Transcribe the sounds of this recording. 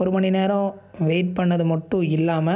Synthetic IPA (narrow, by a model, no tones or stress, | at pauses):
ɔɾɯmɐɳineːɾɐ̃ʋeːʈ̚pɐɳːɐðɯmɐʈːʊ̃ɪlːaːmɐ